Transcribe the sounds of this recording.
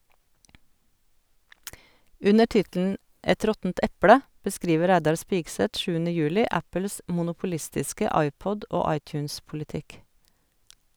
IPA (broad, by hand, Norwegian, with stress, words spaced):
ˈʉnə ˈʈɪtl̩n̩ ˈɛt ˈɾɔtn̩t ˈɛplə bəˈskɾiːʋə ˈɾæɪdɑɾ ˈspɪɡsɛt ˈʃʉːənə ˈjʉːlɪ ˈæpl̩s mʊnʊpʊˈlɪstɪskə ˈɑɪˌpɔd ˈoː ˈɑɪˌtjʉːnspʊlɪˌtɪk